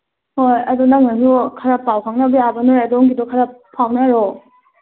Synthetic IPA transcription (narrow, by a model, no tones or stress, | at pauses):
hojadunaŋnasukʰaɾapawkʰaŋnabijabanɔɾjadɔŋɡidɔkʰaɾapʰawnaɾɔ